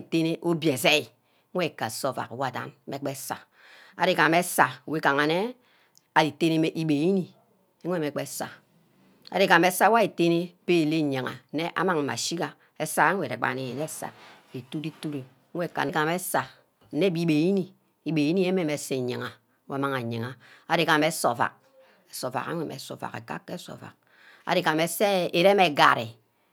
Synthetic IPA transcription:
te˦ne˦ʔo˦bje˨se˦i˨ | ŋ̩˦we˦˨ka˨so˦˨fa̰˨kwa˦˨da̰˦n˦me˨˦k͡pe˦sa̰˨ | a̰˨de˦ka˨me˦sa˨we˦ka˨ŋa˨ne˦ | a˨di˨te˦ne˦me˦ʔi˦be˨ji˦ni˨ | e˦ŋʷ˦e˦˨me˨k͡pe˦sa˨ | a˨de˦ka˨me˦sa˦wa˦e˨te˦ne˦pe˦˨le˦˨ɲa˨ŋa̰˨˦e˦ʔa̰˦ma˨ŋ̩˨ma̰˨ʃi˦ka˨ | e˦sa˦e˦ŋʷe˨ɾḛ˨k͡pa̰˨ne˨e˨ne˦sa̰˨ | e˨tu˦ɾi˦tu˦ɾi˨˦ | e˦˨ka̰˨ne˨ka˨me˦sa˨ | n̩˦ne˦˨bi˦be˨ji˦ni˦ | i˨be˨ji˦ni˦e˦me˦˨me˨˦se˦˨ɲe˨ŋa˨˦ | wma˦˨ŋa˨ɲe˨ŋa˨a˨de˨ka˨me˦so̰˨fa̰˨k̚ | e˨so˨fa̰˨ka̰˦e˨mḛ˨˦so̰˨fa̰˨kḛ˨ka̰˦kːe˦so̰˨va̰˨k̚ | a̰˨de˨ka˨me˨se˦e˨ɾe˦me˨ɡa˨ɾḛ˨

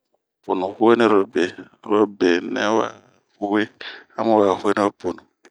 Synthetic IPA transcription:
po˨nu˨hu˦we˦ne˦ɾɔ˨be˨˦ | ɾɔ˦be˨nɛ̰˦wa̰˨ | hu˦we˦a˦mo˦wa˨hu˦e˦nɛ˦po˨nu˨

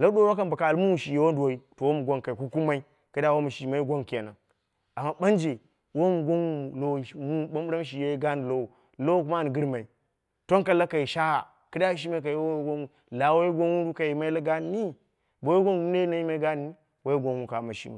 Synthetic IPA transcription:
la˦do˦ɾo˦ka˦mba˨ka˨lmu˦wu˨ʃi˨je˨wo˦n˦du˨wo˨˦i˦to˨wo˦mu˨ɡʷo˦nka˨i˨ku˦ku˦ma˦i˦ | ka˦da˦wo˦mu˨ʃi˨ma˦i˦ɡʷo˦n˨ke˨na˨ | a˨mːa˦ɓa˦nd͡ʒe˨ | wo˦mu˨ɡʷo˦nwu˦˨lo˦˨˦mu˦ɓa˦bu˦ɾa˦m˦ʃ̬i˨je˦ɡa˦n˨lo˦wo˨ | lo˦ku˦ma˦˨n˨ɡi˦ɾma˨i˨ | to˦nka˨la˦kːa˨i˨ʃa˦a˨ | ka˦da˦ʃ̬i˦ma˦i˦k̬a˨ji˨˦wo˦ɡo˦nu˦ | la˨wo˦i˦ɡʷo˦nwu˦ɾu˦ka˨ji˨ma˦i˦la˦ɡa˦n˨˦ni˦ | bo˨wɡʷo˦n˨ɡu˦e˦na˦ji˦ma˦i˦ɡa˦˨ni˦ | wo˦je˦ɡʷo˦nwu˦ka˨ma˨ʃḭ˦mṵ˨

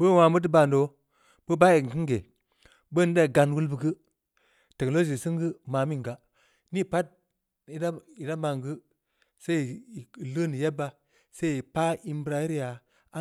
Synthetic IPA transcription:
bə˦˨wa˨mə˦t̬i˦ba˨ndo˨ | bə˦ba˦e˨kɨ˦ŋɡe˨ | bə˦da˦i˨ɡa˨nwu˦lbɨ˨ɡɨ˦ | te˨ko˨o˦d͡ʒi˨sɨ˦ŋɡɨ˦ma˨mi˦ŋɡa˨ | ni˦˨pa˦t̚ | i˨da˦i˨da˦ma˨ŋɡɨ˦ | se˦˨lə˦ni˨je˦bːa˨ | se˦˨i˨pa˦i˦m˦bɾa˦ji˦ɾja˨ | a˦

